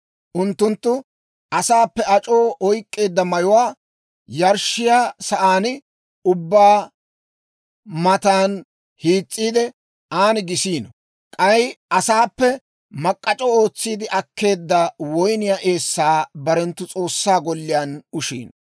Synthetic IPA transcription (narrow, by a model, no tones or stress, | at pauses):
ʔʊnt̪ːʊnt̪ːʊ | ʔɐsaːpːɛɐt͡ʃʼo̞ːʔɔjkʼːe̞ːd̪ːɐmɐjʊwaː | jɐɾʃɪjasɐʔaːnɪ | ʊbːaː | mɐt̪aːn | hiːt͡sʼːiːd̪ɛ | aːnɪɡɪsiːnɔ | kʼɐjɐsaːpːɛ | mɐkʼːɐt͡ʃʼɔoːt͡sːiːd̪ɪʔɐkʰːe̞ːd̪ːɐwɔjnɪjaʔe̞ːsːaːbɐɾɛnt̪ːʊt͡sʼo̞ːsːaːɡɔlːɪjanʊʃḭːn